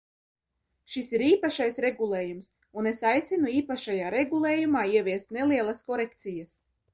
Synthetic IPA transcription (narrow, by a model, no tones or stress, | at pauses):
ʃisiɾiːpaʃajsɾeɡulˠeːjums | unesajt̪sʲinuiːpaʃajaːɾeɡulˠeːjumaːiɛvʲiɛst̪nelˠiɛlˠɐskɔɾekt̪sijɐs